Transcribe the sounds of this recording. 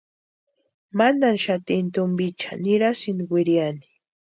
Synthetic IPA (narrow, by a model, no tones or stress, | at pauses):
mananʃat̪ɪnt̪ʊmbɪt͡ʃḁ̰nɪɾasɪnwɪɾjanɪ̥